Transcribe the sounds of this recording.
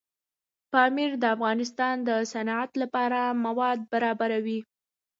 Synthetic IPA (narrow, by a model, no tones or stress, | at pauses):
pɑmiɾd̪əafɣɑnɪst̪ɑnd̪əsanɑat̪lapɑɾamawɑd̪̚baɾɑbaɾawi